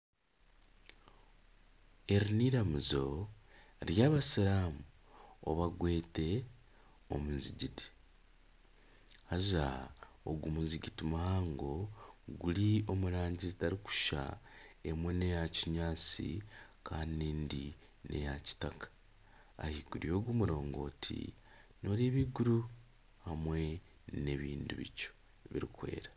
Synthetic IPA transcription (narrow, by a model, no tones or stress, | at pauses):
e̞ɾiniɾamizo̞ | ɾjaːβasiɾaːmu | o̰βaɡwe̞ːte̞ | o̞̰munziɟiti̥ | haʒa | o̰ɡumunziɟitimuhaːŋɡo̞ɡulio̞muɾaːɲɟizitaɾiku̥ʃa̰e̞mwene̞jaciɲaːt͡sḭkaːniniːndi | ne̞̰jaci̥takḁ | a̰hiɡuɾijo̞ːɡumuɾo̞ːŋɡo̞ːtʰḭno̞ːɾiβiɡuɾu | hamwe̞ | ne̞βiːnduβḭco̥ | βḭɾikwe̞̰ːɾa